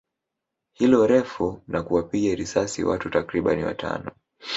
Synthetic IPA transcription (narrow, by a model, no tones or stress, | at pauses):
hilɔɾɛfunakuwapiɠaɾisasḭwatutakɾiɓa̰niwa̰tʰa̰nɔ